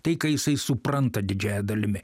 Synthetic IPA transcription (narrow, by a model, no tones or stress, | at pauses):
t̪ɐɪkɐjɪsɐɪsʊpɾɐnt̪ɐd̪ʲɪd͡ʒʲæːjɛd̪ɐlʲɪmʲɪ